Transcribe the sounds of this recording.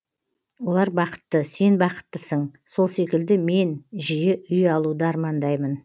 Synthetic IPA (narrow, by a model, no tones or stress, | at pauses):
wo̞lˠɑɾbɑqə̥t̪ːəse̞nbɑqə̥t̪ːəsəɴso̞lˠse̞kʲɪld̪ɪme̞nʒijeʔʏjɑlˠud̪əɑɾmɑnd̪ɑjmən